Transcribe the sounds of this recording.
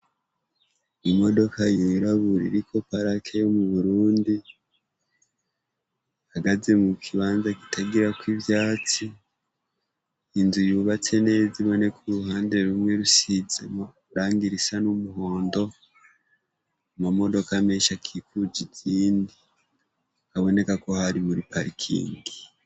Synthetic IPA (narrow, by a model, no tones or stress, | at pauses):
imo̞do̞kajiɾaβuɾḭɾikʰo̞paɾakʰejomuβuɾuːndi | haɡazemukʰiβaːnzaki̥tʰaɡiɾakwivjaːt͡si | nzujuːβat͡se̞ne̞ːziβo̞ne̞kʰuɾuhaːnde̞ɾumwe̞ɾusizem | ɾaːŋɡiɾisanumuho̞ːndo̞ | amamo̞do̞kame̞ːʃakʰikud͡ʒiɟiːndi | aβo̞ne̞kako̞haɾimuɾipʰaɾikʰḭːŋɡi